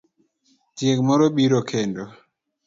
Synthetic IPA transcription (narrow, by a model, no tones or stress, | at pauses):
tiɛkmɔɾɔɓiɾɔkʰɛndɔ